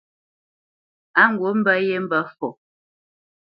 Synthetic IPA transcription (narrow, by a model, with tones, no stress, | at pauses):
a˦ŋ̩˨ɡwo˨˦m̩˦bə˦je˦m̩˦bə˦fɔ˨